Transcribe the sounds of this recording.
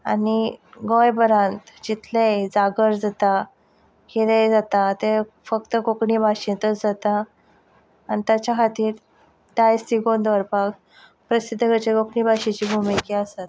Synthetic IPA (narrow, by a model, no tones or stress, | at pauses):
a̰niɡɔ̃jbəɾãnt̪d͡ʑit̪ʰled͡zaɡəɾd͡zat̪a | keled͡zat̪at̪e | fəkt̪əɡokɳibʱaɕĩt̪ət͡sd͡zat̪aː | nit̪jat͡ɕjakʰat̪iːɾ | dajst̪iɡond̪ʋəɾpak | pɾəsid̪ʱːəɡət͡ɕeɡokɳibʱaɕit͡ɕiːbʱumikiasat̪̚